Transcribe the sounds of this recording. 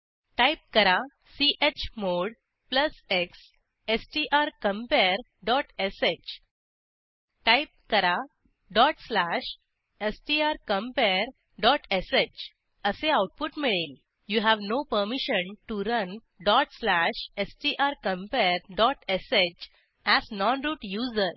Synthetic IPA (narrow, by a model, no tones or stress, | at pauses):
ʈajp̚kəɾa | siʔet͡ɕmoɽ | pləseks | esʈiʔaɾkə̃mpeɾ | ɖɔʈeset͡ɕ | ʈajp̚kəɾa | ɖɔʈslæʃ | esʈiaɾkə̃mpeɾ | ɖɔʈeset͡ʃ | əseaʊʈ̚puʈmeɽəl | juːɦæʋnopəɾmiʃənʈuɾə̃n | ɖɔʈslæʃesʈiːʔaɾkə̃mpeɾɖɔʈeset͡ʃ | æsnɔnɾuːʈjuːzəɾ